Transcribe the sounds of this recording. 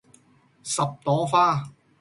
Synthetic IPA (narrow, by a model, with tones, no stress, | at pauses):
sɐ˨p̚t̪ɔː˨˥faː˥